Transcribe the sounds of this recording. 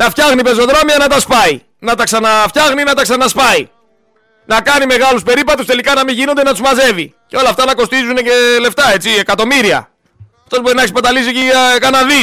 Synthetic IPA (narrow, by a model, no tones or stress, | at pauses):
nɐfçɐɣnipezo̞ðɾomiɐnɐt̪ɐspɐi | nɐt̪ɐksɐnɐfçɐɣninɐt̪ɐksɐnɐspɐi | nɐkɐnime̞ɣɐluspe̞ɾipɐt̪ust̪e̞likɐnɐmiʝinod̪enɐt̪uzmɐze̞vi | ceo̞lɐft̪ɐnɐko̞st̪izune̞ce̞le̞ft̪ɐe̞t͡sie̞kɐt̪o̞miɾiɐ̰ | ɐft̪o̞zbo̞ɾinɐekspɐt̪ɐlis̬icikɐnɐði